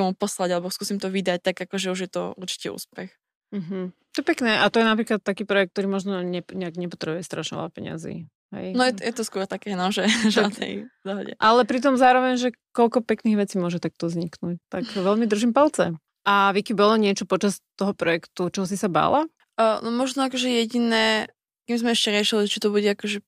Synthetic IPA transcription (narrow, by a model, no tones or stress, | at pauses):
ɛmupɔslaɟalɛbɔskuːsimt̪ɔʋid̪ac̚t̪aɡakɔʒɛuʒjɛt̪ɔ̰uɾt͡ʃi̥cɛṵːspɛx | m̩ɦm̩t̪ɔjɛpɛknɛːʔat̪ɔjɛnapɾiːklat̪̚ːakiːpɾɔjɛk̚t̪̚t̪ɔɾiːmɔʒnɔɲɛɲɛaɡɲɛpɔ̥t̪ɾɛbujɛst̪ɾaʃɲɛ̰la̰pɛ̰ɲ̰a̰zḭː | ɦɛ̰jnɔjɛjɛt̪ɔskʊɔɾt̪akɛːnɔʒɛʒad̪nɛ̰jvd̪ɔɦɔɟɛ̰ʔalɛpɾit̪̬ɔmzaːɾɔʋɛɲʒɛkɔlkɔpɛkniːɣʋɛt͡siːmʊɔʒɛt̪ak̚t̪ɔzɲiknuct̪aɡʋɛʎmid̪r̩ʒimpalt͡sɛ | ʔaʋikibɔlɔɲɪɛt͡ʃɔpɔt͡ʃast̪ɔɦɔpɾɔjɛkt̪ut͡ʃɔɦɔs̬isaba̰ːla | nɔmɔʒnɔakɔʒɛjɛɟinɛː | kimzmɛɛʃcɛɾɪɛʃiliʒɛt͡ʃit̪ɔbuɟɛakɔʒɛ